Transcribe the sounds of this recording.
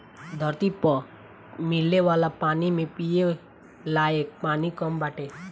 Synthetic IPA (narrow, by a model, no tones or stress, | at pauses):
d̪ʱəɾt̪ipɔ | mɪlːeʋaːlapaːnimẽpije | laːjek̚paːnikɔmbaːʈʰe